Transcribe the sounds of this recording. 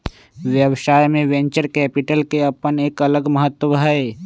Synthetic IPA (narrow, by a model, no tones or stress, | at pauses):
ʋjəʋʃaːjmẽʋɛ̃ɲt͡ʃəɾkɛːpɪʈəlkeɐpəneːkɐləɡməɦət̪wəbʱae